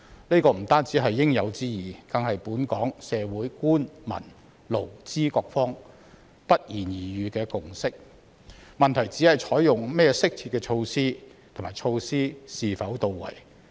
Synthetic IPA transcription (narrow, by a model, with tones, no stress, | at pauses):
ne˥kɔː˧m̩˨˩t̪aː˥nt͡siː˨˥ɦɐ˨jːɪ˥ŋjɐ˨˧wt͡siː˥jiː˨k̪ɐ˨˧ŋɦɐ˨jpuː˨˥nkɔː˨˥ŋsɛː˨˧wuː˨˥jkuː˥nmɐ̰˨˩n | lo˨˩wt͡siː˥kɔː˧k̚fɔː˥ŋ | pɐ˥t̚jiː˨˩njiː˨jyː˨˧kɛː˧kʊ˨ŋsɪ˥k̚ | mɐ˨nt̪ʰɐ˨˩jt͡siː˨˥hɐ˨jt͡ʃʰɔː˨˥jjʊ˨ŋmɛː˥˧sɪ˥k̚t͡sʰiː˧t̚kːɛː˧t͡ʃʰo˧wsiː˥t̪ʰmaː˨˩jt͡ʃʰo˧wsiː˥siː˨fɐ˨˥wt̪o˨wːɐ̰˨˩j